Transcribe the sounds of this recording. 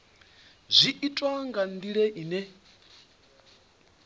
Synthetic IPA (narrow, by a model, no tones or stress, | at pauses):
zʷiʔitʼwaŋɡand̪iɺɛʔinɛ